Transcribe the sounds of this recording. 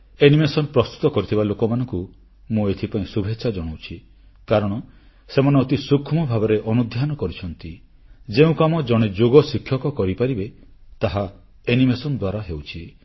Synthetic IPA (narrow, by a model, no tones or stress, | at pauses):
enimesɔnpɾɔst̪u̥t̪ɔkɔɾit̪ʰibalokɔmanɔŋku | mũet̪ʰipaĩsubʱetːʃʰad͡ʒɔɽ̃owt͡ʃʰi | kaɾɔɽ̃ɔ | semɔneɔt̪isukʰːumɔbʱabɔɾeʔɔnud̪ʱjanɔkɔɾit͡ʃʰɔnt̪i | d͡ʒeũkamɔd͡ʒɔɽ̃ed͡ʒoɡɔsikʰːjɔkɔkɔɾipaɾibe | t̪aɦa | enimesɔnd̪waɾaɦewt͡ʃʰi